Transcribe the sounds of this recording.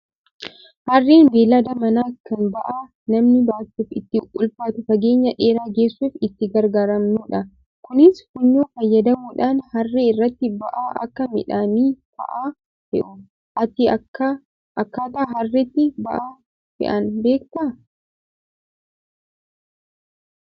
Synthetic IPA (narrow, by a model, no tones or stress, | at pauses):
hɐrːeːnb̪eːlɐd̪ɐmɐnaːkɐnbɐʔaː | nɐmnɪbaːtːuːfɪt̪ːɪʔʊlfaːt̪ʊfɐɡeːɲːɐᶑe̞ːɾaːɡe̞ːsːufɪt̪ːɪɡɐɾɡaːɾɐmnuːᶑɐ | kʊnɪshʊɲːoːfɐjːɐd̪ɐmuːᶑaːnhɐrːeːɪrːɐt̪ːɪbɐ̰ʔaːʔɐ̰kːɐmɪ̰ᶑaːniːt̪ɐ̰ʔaː | hɛ̰ʔʊ | ʔɐt̪ɪɐkːɐ | ʔɐkːaːt̪ɐːɦɐrːɛt̪ːɪbɐʔaː | fɛ̰ʔɐnbe̞ːkt̪ɐ